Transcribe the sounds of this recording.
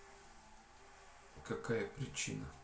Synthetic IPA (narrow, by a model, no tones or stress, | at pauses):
kɐkajəpɾʲɪt͡ɕḭnə